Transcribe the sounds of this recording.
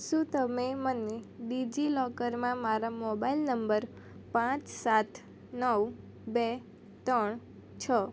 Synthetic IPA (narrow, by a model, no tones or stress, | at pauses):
ʃũt̪əmeməneɖid͡ʒilɔkəɾmãmaɾamɔbailnəmbəɾ | pãt͡ʃsat̪ʰ | nəw | be | t̪əɳ | t͡ʃʰə